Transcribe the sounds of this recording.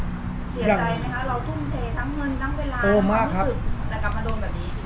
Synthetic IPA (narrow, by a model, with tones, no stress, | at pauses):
si˨˩˦daː˨˩da˧˩a˧˩ŋkʰa˦˥ɾa˧wt̪ʰu˥˩mt̪ʰeː˨˧˩t̪ʰaː˦˥ŋːɤ˧nt̪ʰaː˦˥ŋweː˧laː˧ʔoː˧˨˧maː˧˥˩kkʰːa˦˥ɯ˨˩˦lɛː˦˩kʰa˧˩ma˧doː˧nbɛː˨˩niː˦˥˦